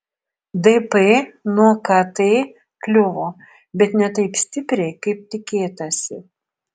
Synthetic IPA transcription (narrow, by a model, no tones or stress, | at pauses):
d̪ɛpɛnuɔkɐt̪ɐɪ | klʲʊʋoː | bʲɛt̪nʲɛt̪ɐɪpsʲt̪ʲɪpʲɾʲɛɪkɐɪp̚t̪ʲɪkʲeːt̪ɐsʲɪ